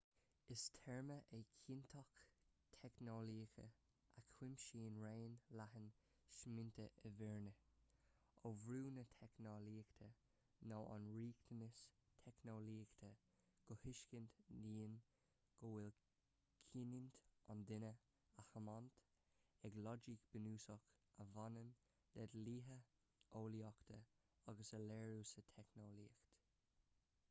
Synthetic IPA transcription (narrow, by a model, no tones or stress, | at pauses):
ɪstʰɛɹməʔɛkʰint̪ʰɔxtʰɛknoliːxə̰ | ʔakʰwɪmʃiːnɹeːnlahən | ʃmɪnt̪ʰəʔəvɛɹnə | ovɾuːnətʰɛknoliːkt̪ʰə | nɔːʔa̰nɹiːkt̪ʰənəstʰɛknoliːkt̪ʰə | ɡ̥ɔhɪʃkɪnt̪niːn | ɡ̥owɪl | kʰinɪnt̪ɔnd̪ɪnə | ahəmɔnt̪ | ɛɡlɔd͡ʒikb̥ənuːsɔkəvanən | dɛd̪liːɦə | oːliɔkt̪ʰə | aɡəsəlɛːɹusətʰɛknoliːkt̪